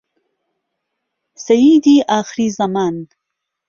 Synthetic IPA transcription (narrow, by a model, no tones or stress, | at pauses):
sajid̪iʔɑːxɾizamɑːn